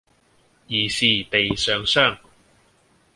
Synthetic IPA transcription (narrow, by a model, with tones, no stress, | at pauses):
iː˨˩siː˨˩t̪e˨jsœː˨˧ŋsœː˥˩ŋ